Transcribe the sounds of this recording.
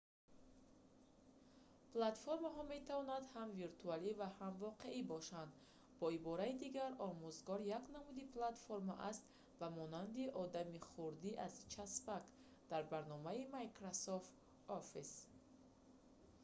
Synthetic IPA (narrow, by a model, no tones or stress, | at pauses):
plat̪foɾmaɦɔme̞t̪ʰavɔnad̪hamviɾt̪ʰualivahamvɔqe̞ibɔʃand̪ | bɔibɔɾaid̪iɡaɾɔmuzɡɔɾjaknamud̪iplat̪foɾma̰ʔast̪ | bamɔnand̪iʔɔd̪amiχuɾd̪iʔaz̥t͡ʃʰaspak | d̪̥aɾbaɾnɔmaimajkɾasoft̪ | ɔfis